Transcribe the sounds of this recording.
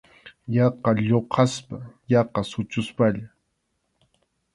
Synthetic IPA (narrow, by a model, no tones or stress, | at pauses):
jɑqɑʎoqʰɑspajɑqɑsʊt͡ʃʊspaʎa